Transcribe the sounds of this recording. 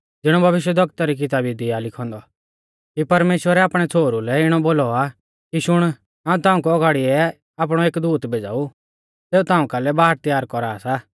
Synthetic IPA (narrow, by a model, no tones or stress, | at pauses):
d͡zɪɽ̃ɔbʱɐʋɪʃ̬wɛd̪ʱɐk̚t̪aɾik̬ɪt̪aːbid̪ɪalɪkʰɔ̃ːnd̪ɔ | kipɐɾmeːʃwəɾɛaːpɽ̃ɛt͡sʰoːɾulɛɪɽ̃ɔboːlɔa | kiʃʊɽ̃ | ãːũt̪ãːũk̬uɔɡʱaːɽiɛ | aːp̬ɽ̃ɔeːkd̪uːt̪bʱeːd͡za̰ːu | seːut̪ãːũkalɛbaːɦɾt̪jaːɾkɔɾaːsaː